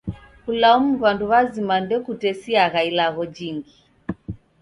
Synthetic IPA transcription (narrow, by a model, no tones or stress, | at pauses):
kulaumuβanduβazimandɛkutɛsiaɣailaɣɔd͡ʒiŋɡi